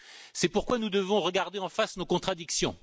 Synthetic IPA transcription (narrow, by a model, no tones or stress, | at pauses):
sɛpuʁkwanud̪əvɔ̃ʁəɡaʁd̪eɑ̃fasnokɔ̃t̪χad̪iksjɔ̃